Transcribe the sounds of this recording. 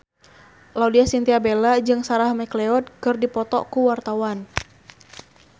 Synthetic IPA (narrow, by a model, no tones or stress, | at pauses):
laudiasint̪iabelad͡ʒɨŋsaɾahmɛklɛɔd̪̚kɨrdipɔt̪ɔ̰kuwart̪awan